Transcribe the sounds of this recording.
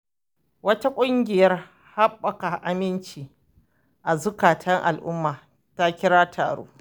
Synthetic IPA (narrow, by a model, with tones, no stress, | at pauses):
wɐ˦ta˦kʷʼʊ˦ŋɡʲɪ˨jɐ˦r | ha˦ɓːɐ˨ka˨ʔa˨mɪ˦nt͡ʃiː˨ | ʔa˨zʊ˦kaː˨tʰɐ˦ŋʔa̰˨lʔʊ̰˦mːaː˨ | ta˦kʲɪ˦ɽaː˦tʰa̰ː˨ɽo̰ː˦